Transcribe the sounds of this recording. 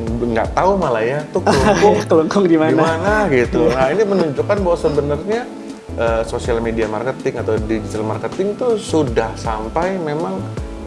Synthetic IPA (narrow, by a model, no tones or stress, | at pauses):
ŋɡa̰ʔt̪aumalajat̪uklkʊŋkəluŋkʊŋdimainamanaɡit̪unainimənuɲd͡ʒukanbawasəbənərɲa | ʔəsosialmediama̰rkət̪ɪŋat̪awdid͡ʒit̪almarkət̪ɪŋt̪usudahsampajmemaŋ